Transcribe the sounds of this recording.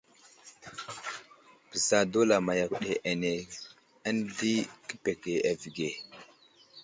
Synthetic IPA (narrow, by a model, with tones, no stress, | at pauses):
b̥ə˨za˨do˦la˨ma˨ja˨kɗe˨ʔa˨ne˨ | ə˦ndi˦kə˦pe˨ke˨a˨vi˨ɡe˨